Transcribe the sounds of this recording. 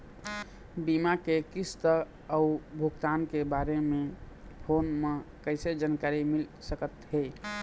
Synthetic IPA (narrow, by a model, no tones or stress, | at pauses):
bimakekist̪ə | əubʱuɡt̪ankebaɾeme | pʰonmekəɪsed͡ʒankaɾimilsəkət̪ɦe